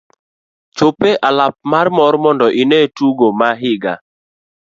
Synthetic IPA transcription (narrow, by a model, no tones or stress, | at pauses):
t͡ʃopeʔalap̚marmɔɾmɔndɔʔinetuɡomaɦɪɡa̰